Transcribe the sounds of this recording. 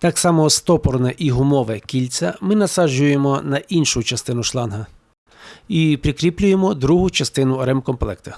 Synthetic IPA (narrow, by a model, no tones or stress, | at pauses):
t̪ɑksɑmɔst̪ɔpɔrnɛʔiɦʊmɔʋɛkʲilʲt͡sʲɐmɪnɐsɑʒʊje̞mɔnɐʔinʃʊt͡ʃɐst̪ɪnʊʃlˠɑnɦɐ | ipɾʲɪkɾʲiplʲʊjemɔd̪ɾuɦʊt͡ʃɐst̪ɪnʊɔɾɛmkɔmplˠɛkt̪ɐ